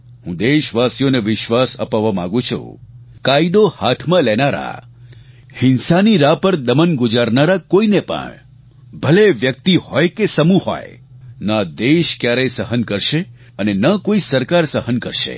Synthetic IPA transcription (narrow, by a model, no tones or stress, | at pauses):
ɦũd̪eʃʋasjoneʋɪʃʋasə̰paʋamã̰ɡũt͡ʃʰṵ̃kaid̪ohat̪ʰmãlɛnaɾa̰ | hɪnsaniɾapəɾd̪əmənɡʊd͡ʒaɾnaɾakoinepə̰ɳ | bʱəleʋjək̚t̪ihɔjkesəmuɦo̰j | nãd̪eʃkjaɾɛsəɦənkəɾʃe | ənenəkoisəɾkaɾsəɦənkəɾʃḛ